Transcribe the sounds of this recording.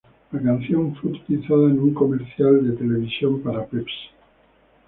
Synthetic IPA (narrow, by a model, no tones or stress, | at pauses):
lakanθjoɱfweut̪u̥t̪iliθaðaenuŋkomeɾθjald̪et̪eleβ̞isjompaɾapeps